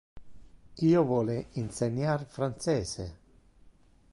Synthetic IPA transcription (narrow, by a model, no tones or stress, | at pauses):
iːovwɔːleinseɲːarfɾansɛːsḛ